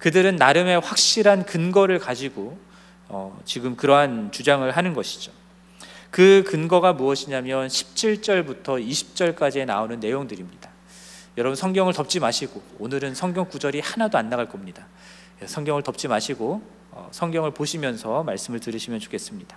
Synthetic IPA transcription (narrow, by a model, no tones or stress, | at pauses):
kɯdɯɾɯnːaɾɯme̞ɸwak̚ɕ͈iɾɦankɯnɡʌɾɯɭkad͡ʑiɡo | ʌt͡ɕiɡɯmkɯɾʌɦant͡ɕud͡ʑaŋɯɭɦanɯnɡʌɕʰi̥d͡ʑo̥ | kɯkɯnɡʌɡamuʌɕʰiɲamjʌnɕʰi̥p̚t͡ɕ͈ʰiɭt͡ɕ͈ʌɭbutʰʌiɕʰi̥p̚t͡ɕ͈ʌɭk͈ad͡ʑienaonɯnːe̞joŋdɯɾimɲid̥a | jʌɾʌbunsʰʌŋɡjʌŋɯɭtʌp̚t͡ɕ͈imaɕʰiɡoonɯɾɯnsʰʌŋɡjʌŋkud͡ʑʌɾihanadoanːaɡaɭk͈ʌmɲida | sʰʌŋɡjʌŋɯɭtʌp̚t͡ɕ͈imaɕʰiɡo | ʌ̰sʰʌŋɡjʌŋɯɭpoɕʰimjʌnsʰʌmaɭs͈ɯmɯɭtɯɾɯɕʰimjʌnt͡ɕo̥kʰe̞s͈ɯmɲid̥ḁ